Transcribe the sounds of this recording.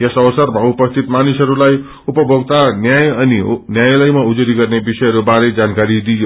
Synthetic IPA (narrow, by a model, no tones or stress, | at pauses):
jesʌwʌsʌrmaupʌst̪ʰit̪manisɦʌɾulaj | upʌbʱoɡt̪anjajʌninjajlʌjmaud͡zuɾiɡʌrnebisʌjɦʌɾubaɾed͡zankaɾid̪ijo